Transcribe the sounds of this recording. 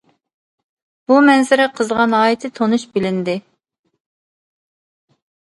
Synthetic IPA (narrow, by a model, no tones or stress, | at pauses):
b̥umɛnzɪɾɛqʰəzʁɑnɑːjɪt̪ʰɪt̪ʰonuʃbɪlɪnd̪ɪ